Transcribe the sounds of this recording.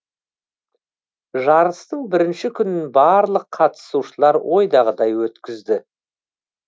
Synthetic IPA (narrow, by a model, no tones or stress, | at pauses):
ʒɑɾəst̪əɴbɪɾɪnʃɪkʲʰʏnɪnbɑɾlˠəqʰɑt̪ə̥suʃəlˠɑɾwʔo̞jd̪ɑʁəd̪ɑjwɵt̪kʲɪzd̪ɪ